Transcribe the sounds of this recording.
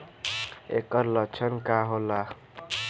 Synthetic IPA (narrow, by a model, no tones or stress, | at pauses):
ḛkʌɾlʌt͡ʃʰʌnkaɦola